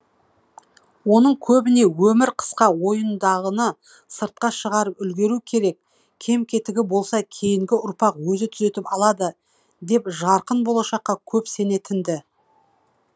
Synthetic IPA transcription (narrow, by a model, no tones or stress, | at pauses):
wo̞nəɴkʲʰɵbɪne̞wɵmɪɾqʰə̥sqɑwo̞jənd̪ɑʁənə | səɾt̪̚qɑʃəʁɑɾəpʏlɡʲe̞ɾukʲʰe̞ɾe̞k̚ | kʲʰe̞mkʲʰe̞t̪ɪɡʲɪbo̞lˠsɑkʲʰe̞jɪŋɡʲɪʔʊɾpɑqwɵzɪt̪ʰʏ̥ze̞t̪ɪpɑlˠɑd̪ə | d̪e̞pʒɑɾqənbo̞lˠɑʃɑqːɑkʲʰɵpse̞ne̞t̪ʰɪnd̪ɪ